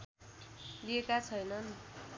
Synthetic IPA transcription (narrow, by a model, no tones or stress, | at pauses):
liekat͡sʰʌjnʌn